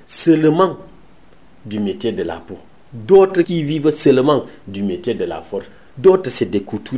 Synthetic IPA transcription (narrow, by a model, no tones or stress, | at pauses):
səlmãŋ | dymetjedəla̰po | dot̪ɾəkivivəsəlmãŋdymetedəla̰fɔɾ | dotɾəsedekutu